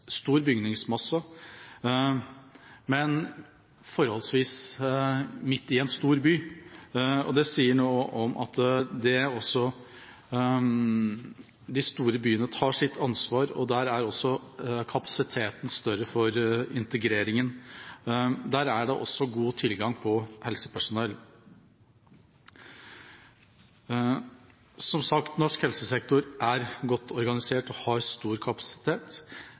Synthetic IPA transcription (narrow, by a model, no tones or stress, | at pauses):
st̪uːɾbʏɡnɪŋsmɑsːɑ | mɛn | fɔɾhɔlsʋiːs | mɪt̪ːɪɛnst̪uːɾbyː | ɔ̰d̪ɛsiːəɳoːʔɔmʔɑ̰t̪d̪ɛɔsːɔ | d̪ɪst̪uːɾəbyːənət̪ʰɑːʂɪt̪ʰːɑnsʋɑːɾɔ̰d̪æɾæɾɔsːɔkʰɑpɑ̥sɪt̪ʰeːt̪nst̪œɾəfɔɾɪnt̪əɡɾeːɾɪŋən | d̪æːɾæɖɛʔɔ̰sːɔɡuːt̪ʰɪlɡɑŋpʰɔhɛlsə̥pʰæʂʊnɛl | sɔmsɑkt̪nɔʂkhɛlsəsɛk̚t̪ʊɾʔæɾɡɔt̪ʰːɔɾɡɑnɪseːʈɔhɑɾst̪uːɾkʰɑpɑ̥sɪ̥t̪ʰeːt̪